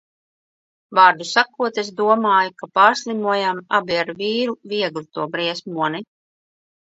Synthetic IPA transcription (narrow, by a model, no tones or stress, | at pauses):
vaːɾd̪usakuɔt̪esd̪uɔmaːjukapaːɾslˠimuɔjamabiaɾviːɾuviɛɡlit̪uɔbɾiɛsmuɔni